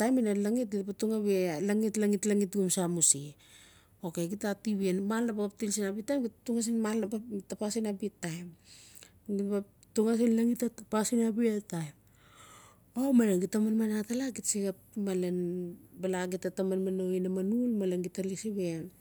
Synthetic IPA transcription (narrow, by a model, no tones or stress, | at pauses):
tajminalaŋit̚ɡitapatuŋaβelaŋitlaŋitlaŋitɡumsamusi | okeɡitatiβienmalnapaɡaptilsinabitːajmɡituŋas̬inmalnapatapasinabitːajm | ɡipa | tuŋas̬inlaŋitatapasinabiatajm | omalenɡitamanmanatalaɡitsiɡap̚malenbalaɡitatamanmanoinamanulmalenɡitalisiβean